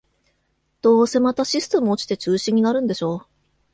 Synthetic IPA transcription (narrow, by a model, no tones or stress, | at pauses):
d̪̥o̞ːse̞mat̪aɕisɨ̥t̪e̞mɯ̟o̞t͡ɕi̥t̪e̞t͡ɕɨːɕĩɲ̟inaɾɯ̟̃nd̪e̞ɕo̞ː